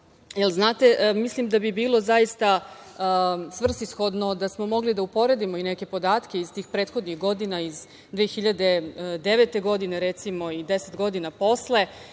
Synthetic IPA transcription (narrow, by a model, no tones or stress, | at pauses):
jelˠznaːt̪e̞mislimd̪abibiːlo̞zajist̪a | sʋr̩sisxo̞d̪no̞d̪asmo̞mo̞ɡlid̪aupo̞ɾe̞d̪imo̞ineke̞po̞d̪aːt̪ke̞izt̪iːxpɾeːt̪xo̞d̪nixɡo̞d̪inaiz | d̪ʋeexiʎad̪e̞d̪e̞ʋet̪e̞ɡo̞d̪ineɾet̪simo̞id̪e̞set̪ɡo̞d̪inapo̞sle̞